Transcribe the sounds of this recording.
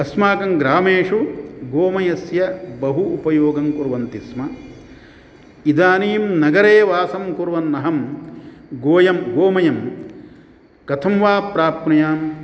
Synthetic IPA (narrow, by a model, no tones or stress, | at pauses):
ɐsmaːkɐŋɡɾaːmeːʂuɡoːmɐjɐsjɐbɐɦuupɐjoːɡɐmkuɾʋɐnt̪ismɐ | id̪aːniːmnɐɡɐɾeːʋaːsɐmkuɾʋɐnːɐɦɐm | ɡoːjɐmɡoːmɐjɐm | kɐt̪ʰɐmʋaːpɾaːpnɐjaːm